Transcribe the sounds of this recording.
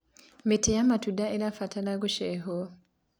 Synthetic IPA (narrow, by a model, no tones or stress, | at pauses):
mitijamatudaeɾafatalaɡuʃeɦo